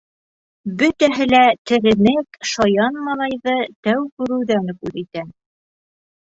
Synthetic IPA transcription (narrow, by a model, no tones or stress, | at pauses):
bɵ̆t̪æɦɘ̆læt̪ɘ̆ɾɘ̆nɘkʃɑjɑnmɑlˠɑjðɤt̪æwkʉɾɘ̆wðænkʉðit̪æ